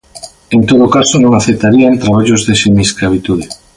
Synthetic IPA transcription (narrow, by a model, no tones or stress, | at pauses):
ent̪oðokasonõŋaθet̪aɾiaent̪ɾaβaʎozðeʃemiskɾaβit̪uð̞e